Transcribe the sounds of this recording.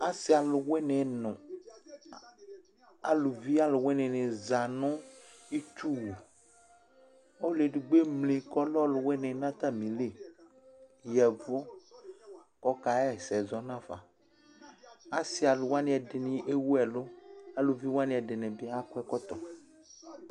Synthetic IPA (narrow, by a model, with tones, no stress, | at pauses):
a˦si˨˦a˨lʊ˨we˦nɛ̃˨nɔ̃˨ | a˨lu˨vi˦a˦lʊ˨we˦nɛ̃˨nɛ̃˨za˨nɔ̃˦ | i˦t͡ʃu˦wo˨ | o˦le˨ɖu˨ɡ͡be˦mle˨kɔ˦lɔ˦lʊ˨we˦nɛ̃˨˦nã˦t̪a˦mĩ˨le˦˨ | jɛ˨vɔ˦ | kɔ˦ka˨ɛ˦˨sɛ˨zɔ˨˦nã˦fa˨ | a˦si˦a˨lʊ˨wa˦nĩ˦ɛ˨dɪ˨nĩ˦ʔe˦wu˦ɛ˨lo˦a˦lʊ˨vi˦wa˦nĩ˨˦ɛ˨dɪ˨nɛ̃˨bi˦a˦kɛ˦kɔ˦t̪ɔ˨